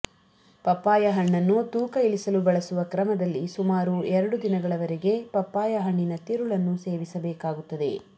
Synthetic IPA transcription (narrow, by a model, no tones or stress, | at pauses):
pɐpːaːjɐɦɐɳːɐnːut̪uːkɐilisɐlubɐɭɐsuʋɐkɾɐmɐd̪ɐlːisumaːɾuɛɾɐɽud̪inɐɡɐɭɐʋɐɾeɡe̞pɐpːaːjɐɦɐɳːinɐt̪iɾuɭɐnːuseːʋisɐbɛːkaːɡut̪ːɐd̪e̞̰